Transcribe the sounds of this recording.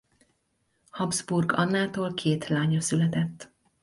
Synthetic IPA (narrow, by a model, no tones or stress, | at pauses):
hɒbzburɡɒnːaːt̪oːlkʰeːt̪laːɲɒsylɛt̪ɛt̪ː